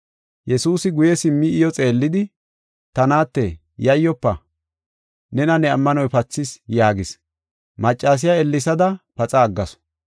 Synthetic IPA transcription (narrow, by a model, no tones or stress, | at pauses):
jɛsuːsɪɡʊjɛsɪmːɪːjɔt͡sʼe̞ːlːɪd̪ɪ | t̪ɐnaːt̪ːɛ | jɐjːɔpːɐ̰ | nɛnɐnɛɐmːɐnɔjpɐt͡sːɪsjaːɡɪs | mɐt͡ʃʼːaːs̬ɪjaɛlːɪsɐd̪ɐpɐt͡sʼɐːɡːɐsɔ̥